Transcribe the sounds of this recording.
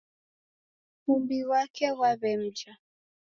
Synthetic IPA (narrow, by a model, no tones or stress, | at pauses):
humbiwakʰɛwaβɛm̩d͡ʒa